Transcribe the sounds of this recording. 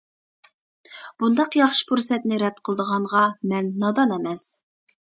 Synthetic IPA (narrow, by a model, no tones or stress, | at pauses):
b̥und̪ɑqjɑχʃɨ̥pʰuɾsɛt̪nɪɾɛd̪̚qʰəlˠəd̪əʁɑɴʁɑmɛnːɑd̪ɑnɛmɛs